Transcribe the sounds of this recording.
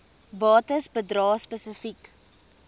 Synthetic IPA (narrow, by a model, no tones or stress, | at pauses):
bɑːtəsbədrɑːspəsəfik